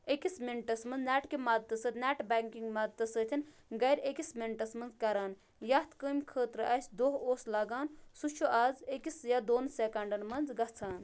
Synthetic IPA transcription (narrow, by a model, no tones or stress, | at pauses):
ekismiɳʈɐsmɐnnɛːʈkimɐd̪̚t̪ɐsət̪ʲnɛːʈbaːŋkiŋɡmɐd̪̚t̪ɐsət̪ʰin | ɡɐjɾʲekismeɳʈɐsmɐnzkɐɾaːn | jɐt̪ʰkəːmʲkʰəːt̪ɾɨʔɐsʲd̪oːɦoːslɐɡaːnsut͡ʃʰuʔaːzekisjɐd̪oːnseːkɐɳɖɐnmɐnzɡɐt͡sʰaːn